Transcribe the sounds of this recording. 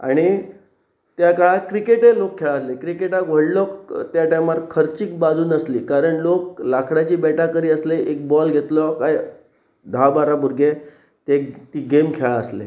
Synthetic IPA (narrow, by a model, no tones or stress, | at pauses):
a̰ɽ̃i | t̪jakaɭkɾikeʈelokʰːeɭaəslekɾikeʈaɡʋ̤ʱəɽlɔkt̪jaʈajmat̪kʰəɾt͡ɕiːk̚bad͡zʱuːnəsliːkaɾəɳloklakʰɽat͡ɕiːbɛʈakəɾiːəsleʔek̚bɔlɡʱet̪lɔkaj | d̪ʱabaɾabuɾɡʱe | t̪et̪iːɡemkʰeɭaəslḛ